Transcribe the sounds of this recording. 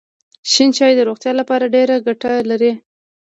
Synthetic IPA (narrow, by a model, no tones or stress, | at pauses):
ʃint͡ʃɑjd̪əɾoɣt̪jɑlapɑɾaɖeɾaɡaʈalaɾi